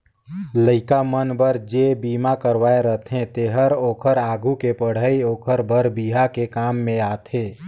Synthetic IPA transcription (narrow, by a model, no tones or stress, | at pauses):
ləɪkamənbəɾd͡ʒebiːmakəɾʋaːeɾəɦt̪ʰɦẽt̪eɦəɾoːkʰəɾaːɡukepəɽ̤əioːkʰəɾbʱəɾbiːɦakekaːmːẽaːt̪ʰeː